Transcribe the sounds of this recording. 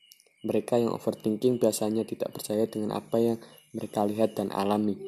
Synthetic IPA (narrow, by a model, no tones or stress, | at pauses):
məɾekajaŋʔo̰fərt̪iŋkɪŋbiasaɲat̪id̪a̰ʔpərt͡ʃajadəŋanʔa̰pajaŋ | məɾekaliɦat̪̚d̥anʔa̰lami